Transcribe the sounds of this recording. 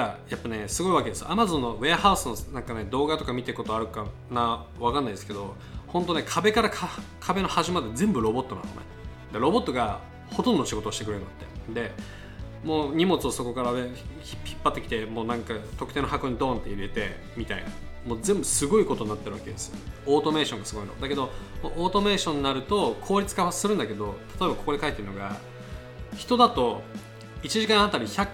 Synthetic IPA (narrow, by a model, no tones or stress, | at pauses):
ajapːane̞sɨɡo̞iβake̞d̪e̞sɨjo̰ʔamazõ̞nːo̞βe̞ahaɯsɨnonãŋkane̞d̪o̞ːɡat̪o̞kamʲit̪e̞ɾɯ̟ko̞t̪o̞aɾɯ̟ka | na | βakãnːaid̪esɨ̥ke̞d̪o̞ | hõ̞nt̪̬o̞nekʰabe̞kaɾakʰ | kʰabe̞no̞haʑimad̪e̞zẽ̞mbɯ̟ɾo̞bo̞t̪ːoã̰nomḛ | d̪eɾo̞bo̞t̪ːo̞ɡa | ho̞t̪õnd̪oɕiɡo̞t̪oːɕit̪ekɯɾeɾnd̪at̪ːe̞d̪e̞ | mo̞ːɲ̟imo̞t͡sɨoso̞ko̞kaɾaneçiçi̥pːat̪ːe̞kʲi̥t̪e̞mo̞ːnãŋkat̪okɯ̟t̪e̞ːnoɦako̞ɲ̟id̪õ̞ːnt̪ːe̞̰iɾe̞t̪e̞ | mʲit̪aina̰mo̞ːzẽ̞mbɯ̟sɨɡo̞iko̞t̪o̞ɲ̟inat̪ːeɾɯβake̞d̪esɨjo̰oːt̪o̞me̞ːɕõŋɡasɨɡo̞ino̰d̪ake̞d̪o̞ʔoːt̪o̞me̞ːɕõ̞ɲ̟inaɾɯ̟t̪o̞kʰo̞ːɾʲit͡sɨ̥kaβasɨɾɯ̟̃nd̪ake̞d̪o̞t̪ʰḁt̪o̞e̞bako̞ko̞d̪ekait̪ːeɾɯ̟no̞ɡa̰ | çi̥t̪o̞d̪at̪o̞ | it͡ɕiʑikãɰ̃at̪aɾʲiçʲak